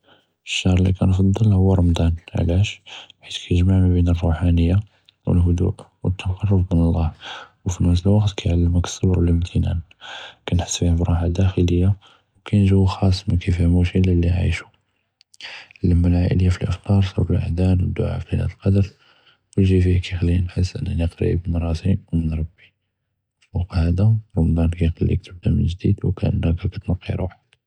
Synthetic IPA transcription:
əʃːɑhɾˤlikænf̬ɑd̪ˤːɑlhʊwːəɾˤɑmd̪ænʕ̰læʃħit̪kʰæjʒmaʕmæbinərˤːuħanəjːa | wə̰lɦʊd̪ṵʔwət̪ʰːɑqɑrˤːʊbmənəlˤːɑhwfimæsəlwɑqt̪kæjʕalːəməkə̥sˤːɑbɾwələmt̪ʰənæ̰n | kænħə̥sːbihæbɾˤuħad̪æxələjːa | wkæjnʒuwːxɑsˤːməkæfæmuʃiləlːiʕḭʃu̥ | ləmːəlʕaʔələjːafilʔəft̪ˤɑɾˤsṵɾəlʔə̰d̪ænwəd̪ːʊ̰ʕa̰flinæ̰t̪əlqɑd̪əɾ | wəlʒifihækæjxælːinħəsːʔə̰nːænəqɾ̰ʔbənɾˤɑsiwmənɾˤɑbːi | fɑqhæd̪aɾˤɑmd̪ˤɑnkæjxɑlːḭk̚t̪ʰəb̚d̪æmənʒd̪id̪wkæ̰ʔə̰nːækækæt̪nɑqːḭɾwaħəd̪̥

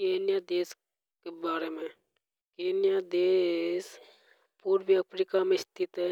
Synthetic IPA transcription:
keːnjad̪eːs | kebaːɾemẽ | keːnjad̪eːs | puːɾʋiəpʰɾikamẽɪst̪ʰɪt̪ɦɛ

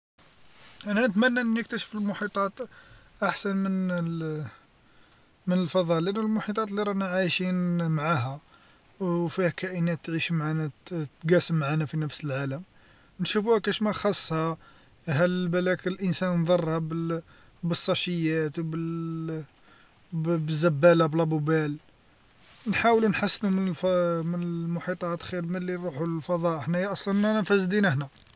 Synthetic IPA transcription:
ʔænænət̪mænːæʔənːnək̚t̪æʃə̥fəlmʊħit̪ˤɑt̪ | ʔaħsænmən | mənəlfɑðˤɑlænəlmʊħit̪ˤɑt̪ˤliɾˤɑnæʕajʃinmʕaɦæ | wfihækæʔənæt̪ːʕiʃmʕanæt̪ɡæsəmːʕanæfinəfsəlʕaləm | nʃufuhækæʃmæxɑsˤːhɑ | ɦælbælæklʔənsænnd̪ˤɑrˤːhæb | bəsˤːɑʃəjːæt̪wbə | bəzːæbːælæblæbʊbæl | nħawlunħasːnumənlfmənəmʊħit̪ˤɑt̪xiɾməlːiɾˤuħulfɑd̪ˤɑʔəħnæjæʔɑsˤlɑnnænænfæzd̪inæħnæ

